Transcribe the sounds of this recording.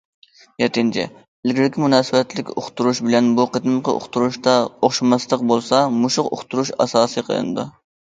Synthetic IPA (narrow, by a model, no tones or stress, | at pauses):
jɛt̪ɪnt͡ʃʰɪ̰ | ɪlɡʲiɾɪkʲimunɑːsɨbɛt̪lɪkʲo̰χt̪uɾuʃbɪlɛnbuqʰət̪ɨmqʰəʔo̰χt̪ʰuɾuʃt̪ɑoχʃmɑst̪ˠəq̚bolˠsɑmuʃʊqo̰χt̪ʰuɾuʃɑ̰sɑːsɨqʰə̰lˠɨ̰nɨ̰d̪ṵ